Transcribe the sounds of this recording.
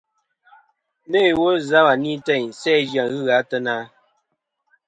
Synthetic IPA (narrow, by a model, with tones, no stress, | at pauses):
me˦˨wo˦za˦wa˨ni˦tɛ˦˨ɲ˨sɛː˦d͡ʒja˨ɣɨ˦ɣa˨˦tə˦na˦